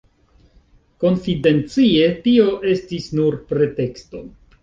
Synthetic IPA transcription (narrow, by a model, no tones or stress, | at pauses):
ko̞nfide̞nt͡sie̞tio̞ʔe̞stisnuɾpɾe̞te̞ksto̞